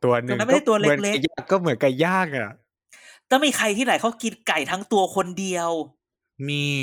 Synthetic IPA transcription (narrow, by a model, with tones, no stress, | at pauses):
t̪u˧ɐnɯ˨ŋa˥n˥˩a˥˩t̪u˧ɐ˧le˧kle˦˥˧jaː˥˩kːɔː˥˩mɯ˨˩˦nka˨˧˩jaː˥˩k̚a˨˧˩ʔ | t̪ɛː˧˩miː˧xʰa˧jt̪ʰiː˥˩na˨˦jkʰa˦˥wki˧t̪̚ka˨˩jt̪ʰa˦˥ŋt̪u˧ɐkʰo˧ndi˧əw | miː˧